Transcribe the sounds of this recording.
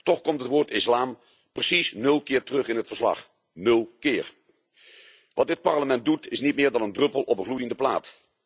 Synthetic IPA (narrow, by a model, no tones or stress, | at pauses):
tɔχkɔmtɦətʋʊːɹtɪslaːm | prəsisnɵlˠkɪːɹtərɵχɪnɦətfəɹslɑ̰χ | nɵlˠkɪːɹ | ʋɑt̚dɪt̚pɑɹləmɛnt̚dutɪsnit̚mɪːɹdɑnəndrɵpəlˠɔpənχlujəndəpla̰ːt